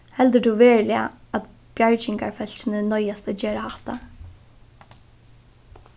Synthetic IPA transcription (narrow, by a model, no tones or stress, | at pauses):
hɛld̪əd̪uːʋeːɹlɪa̰ | at̪ | b̥jaɹt͡ɕɪŋkaɹfɛl̥t͡ɕɪnənɔjast̪ad͡ʒeːɾahaht̪a̰